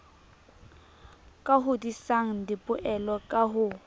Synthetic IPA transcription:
kʼaɦʊdisaŋ̩dɪpʼʊʔɛlɔkʼaɦʊ

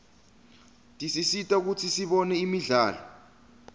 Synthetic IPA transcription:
tʼisisitʼak̬ut͡sʰisiɓɔnɛimiɮaːlɔ

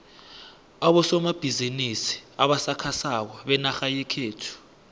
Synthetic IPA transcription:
aɓɔsɔmab̥ʱizinisi̥aɓasakʰasak̬ɔɓɛnaxajikʰeːtʰu̥

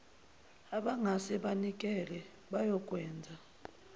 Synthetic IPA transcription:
aɓaŋasɛɓanik̬ʼɛlɛ | ɓajɔk̬ʼwɛːnd͡zʱa

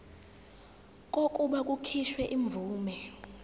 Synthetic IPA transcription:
k̬ʼokʼuɓak̬ʼukʰiʃwɛʔiɱb̪vʱuːmɛ

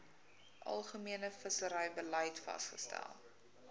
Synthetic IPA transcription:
ʔɐ̰lˠχəmiənəfəsəɾəjbəlɐjtfɐ̰sχəstæ̰lˠ

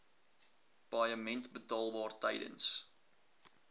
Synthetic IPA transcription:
pɑjəmɛntbətɑːlˠbɑːrtɐjdə̰ns

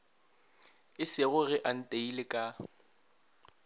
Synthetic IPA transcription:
ɪsɪɣʊɣɪʔan̩tʼeilɪkʼa

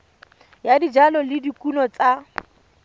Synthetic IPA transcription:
jadid͡ʒalɔlɪdikʼunɔt͡sʼa

